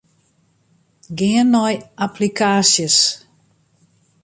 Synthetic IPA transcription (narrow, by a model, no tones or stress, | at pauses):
ɡɪənːɔjʔapʰlikʰaːsjəs